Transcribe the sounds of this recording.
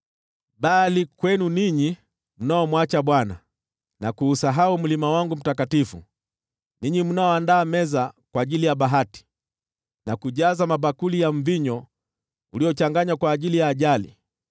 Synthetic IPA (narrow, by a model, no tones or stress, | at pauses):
ɓalikwɛnuniɲi | m̩naɔmwat͡ʃaɓwana | nakuːsaɦaum̩limawaŋɡum̩takatifṵ | niɲim̩unaɔandaːmɛzakwaːʄilijaɓaɦati̥ | nakuʄazamabakulijaɱviɲɔ | uliɔt͡ʃaŋɡaɲakwaːʄilijaːʄalḭ